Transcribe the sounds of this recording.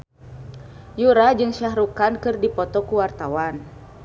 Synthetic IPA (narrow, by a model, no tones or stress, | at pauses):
juɾad͡ʒɨŋʃaɦɾukankɨrdipɔt̪ɔkuwart̪awan